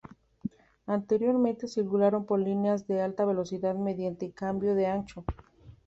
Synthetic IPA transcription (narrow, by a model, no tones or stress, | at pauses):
ant̪e̞ɾjo̞ɾmẽnt̪e̞silkulaɾo̞mpo̞ɾlineazðe̞alt̪aβe̞lo̞siðaðme̞ðjant̪ekambjo̞ðeant͡ʃo